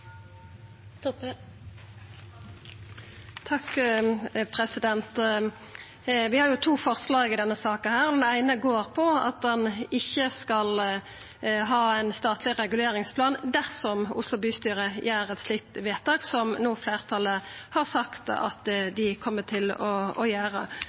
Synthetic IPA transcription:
t̪ʰɑk | pʰʁɛsɪd̪ɛnt̪ | ʋɪhɑːɾjʊt̪ʰuːfɔʁslɑːɡɪd̪ɛnːəsɑːkənhæːʁɔd̪ɛnæɪnəɡoːʁpʰɔɑ̰t̪̚d̪ɛnɪçəskɑl | ɦɑːæɪnst̪ɑːt̪ʰlɪʁɛɡʉleːɾɪŋspʰlɑːnd̪æʁsɔmʊ̰slʊbyːst̪yːɾəjæːɾɛt̪sliːk̚t̪ʋeːt̪ʰɑːɡsɔmnoːfleːʁt̪ʰɑləhɑʁsɑkt̪ɑ̰t̪d̪ɪkʰɔmːət̪ʰɪlɔɔjæːʁə̰

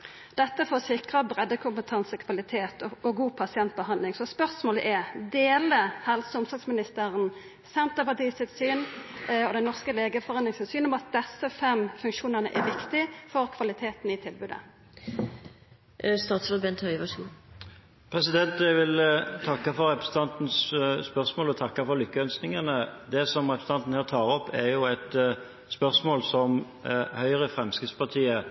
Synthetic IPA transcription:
d̪̥ɛt̪ːəfɔsɪkʁəbʁɛd̪ːəkʰʊmpət̪ʰɑnsəkʰʋɑlɪt̪ʰeːt̪ɔɡuːpʰɑsɪɛnt̪̚bəɦɑnd̪lɪŋsɔspœʁsmoːləʔæʁd̪eːləhɛlsʊmsɑsmɪnɪst̪əʁən | sɛnt̪əpɑt̪iːsɪlsyːnɔd̪ɛnɔʁskəleːɡəfɔʁɑnlɪŋsɪnsyːnɔmɑt̪̚d̪ɛsːəfɛmfʉŋkʃuːnənə̰ʔɛ̰ʋɪkt̪ɪfɔʁkʰʋɑlɪt̪ʰeːt̪n̩ɪt̪ʰɪlbʉːd̪ə̰ | st̪ɑːt̪sʋɑbɛnt̪ʰhœʏʋɑʂu | pʰʁɛsɪd̪ɛnt̪æɡʋɪlt̪ʰɑkːɑfɔɾʁɛpɾɛsət̪ʰɑnt̪n̩sspœʁsmoːlɔt̪ʰɑkːɑfɔʁlʏkːəœnsnɪŋənəd̪ɛsɔmʁɛpɾɛsənɑnt̪n̩hæːʁt̪ʰɑːɾɔpːɛɾjʊæt̪ | spœʁsmoːlsɔm | hœʏʁəfɾɛmskʁɪt̪spɑt̪ʰiːə

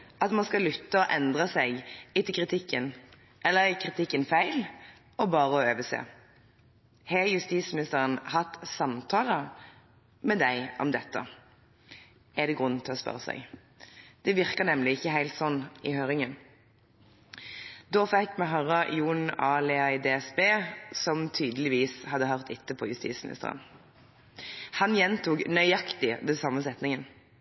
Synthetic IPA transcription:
ɑt̪mɑnskɑlʏt̪ːəɔʔɛnd̪ʁəsæɡɪt̪ːɪlkʰɾɪt̪ʰɪkːən | ʔɛlːəɾɪkʰɾɪt̪ʰɪkːənfæɪl | ɔbɑːʁəɔøːʋəsḛː | hɛjʉst̪iːt̪smɪnɪst̪əʁənhɑt̪ːsɑmt̪ʰɑːlə | mɛd̪æɪʔɔ̰md̪ɛt̪ːə̰ | æd̪ɛɡʁʉn̩ːt̪ʰɪlɔspœ̰ʁəsæ̰ɪɡ | d̪̥ɛʋɪʁkəʁnɛmlɪɪçəhæɪlt̪sɔnːɪhøːʁɪŋən | d̪oːfɛkmɛɦɑʁəjuːnɑːlɛɑɪd̪eːɛsbeːsɔmt̪ʰyːd̪əlɪʋiːshɑd̪ːəɦœʁt̪ɪt̪ːəpʰɔjʉst̪ḭːt̪smɪnɪ̰st̪ə̰ʁə̰n | hɑnjɛnt̪uːknœʏɑkt̪ɪd̪ɛnsɑmːəsɛt̪nɪŋən

